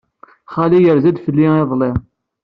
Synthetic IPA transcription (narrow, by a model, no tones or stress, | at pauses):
χalijəɾzæd̪fəlːieðˤle